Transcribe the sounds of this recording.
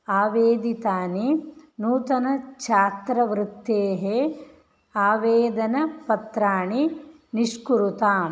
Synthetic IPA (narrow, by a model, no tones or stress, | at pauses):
aːʋeːd̪it̪aːninuːt̪ɐnɐt͡ʃʰaːt̪ɾɐʋɾɪt̪ːeːɦe | aːʋeːd̪ɐnɐpɐt̪ɾaːɳi | niʂkuɾut̪aːm